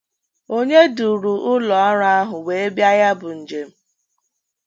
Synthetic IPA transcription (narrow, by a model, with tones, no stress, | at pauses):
o˦ɲe˦du˨ɾu˨ʔʊ˦lɔ˨a˦ɾa˦a˦ɦʊ˨we˨e˦bja˦ja˦bʊ˨n̩˨d͡ʒe˨m̩˦